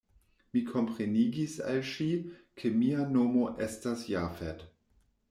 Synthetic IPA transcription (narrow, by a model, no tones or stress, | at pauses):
mikʰo̞mpɾeniɡisa̰lʃikʰemianomoʔestasjafet